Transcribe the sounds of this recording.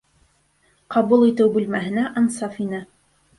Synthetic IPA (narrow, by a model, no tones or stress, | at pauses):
qʰɑβulˠit̪ɘwbʉlmæɦɘ̆næʔɑnsɑfinɘ